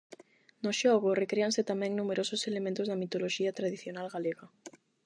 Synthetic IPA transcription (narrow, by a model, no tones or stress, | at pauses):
noʃoɣʊrekɾeaŋset̪amɛ̃ŋnumeɾosʊselemẽnt̪ʊzðɐmit̪oloʃiɐt̪ɾaðiθjonalɣaleɣɐ